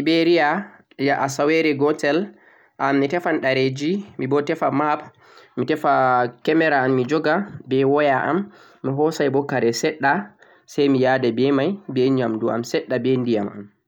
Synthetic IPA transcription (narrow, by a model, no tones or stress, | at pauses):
ibeɾija | jaʔasawɛɾɛɡɔtɛl | ʔamːitɛfanɗaɾed͡ʒimibɔtɛfamap | mitɛfakɛmɛɾaːmːid͡ʒɔɡabɛwɔjaʔa̰mː | iɦɔsajbɔkaɾɛsɛɗːa | sɛjmijadɛbɛmajbɛɲamdua̰msɛɗːabɛndijamʔa̰m